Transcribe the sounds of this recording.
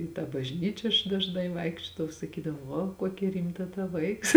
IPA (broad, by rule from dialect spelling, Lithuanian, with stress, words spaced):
ɪ tɑː bɐʒʲˈnʲiːt͡ʃʲɛ ɐʃ dɐʒˈnɐɪ ˈʋɐɪkʃʲt͡ʃʲoːdɐʋɐʊ sɐˈkʲiːdɐʋoː ˈʋoː ˈkoːkʲɛ ˈrʲɪmtɐ tɐ ˈʋɐɪks